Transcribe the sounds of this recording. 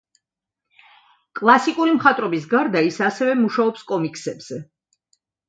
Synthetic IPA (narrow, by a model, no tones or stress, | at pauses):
kʼlˠasikʼuɾimχat̪ʼɾɔbisɡaɾd̪aisasɛvɛmuʃaɔpskʼɔmikʼsɛbz̥ɛ